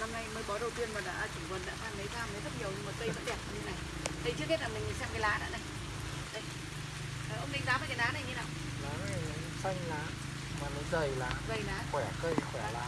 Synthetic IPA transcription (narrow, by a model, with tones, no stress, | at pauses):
na˧mna˧jməː˨˦jɓɔ˨˦ɗə˨˩wt̪i˧ənmaː˨˩ɗa̰ː˧˥˧t͡ɕɨ˧˩ŋkwə˨˩n̚ɗa̰ː˧˥t̪ʰaː˧ŋɗə˨˦jzaː˧˩mnəː˨˦zə˦˥t̚ɲi˨˩əwɲɨ˧ŋmə˨˩kə˧zə̰˧˥ɗɛ˨˩p̚a˧t̪ɨ˨˦na˨˩j | t̪ʰə˨˩jt͡ɕɨ˦˥k̚he˦˥t̚laː˨˩mï˨˩ŋi˨˩sa̰˧˥ma˨˩laː˨˩ɗa̰ː˧˥ɗə˧˩j | ɗə˧j | əː˨˩ʔə˧ŋ͡mmï˨˩ŋ̟zaː˨˦vəː˨˩ka˨˦ɗaː˨˦na˨˩jɲi˨˦naː˧˩w | ɗaː˨˦na˨˩jsa˧jŋ̟laː˨˩ | maː˨˩nɔ˨˦zə˨˩jlaː˨˩və˨˩laː˨˦xwɛ˧˩kə˧jxwɛ˧˩laː˨˩